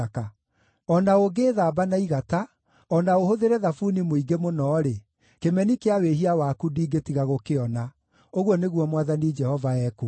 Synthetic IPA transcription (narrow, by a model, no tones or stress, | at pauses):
ka | ɔnaoɡeːðaːbanaiɣata | ɔnaohoðeɾɛðafunimoiɡemonɔːɾe | kemɛnikeaweɦiawaːkudiːɡetiɣaɣokeɔna | oɣwɔneɣwɔmwaðanid͡ʒɛhɔvaɛku